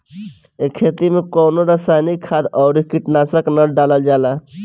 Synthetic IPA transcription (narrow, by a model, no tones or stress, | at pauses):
ekʰet̪imekɔːnoɾəsanikʰad̪ɔːɾikiʈnasəknəɖaləld͡ʒaːla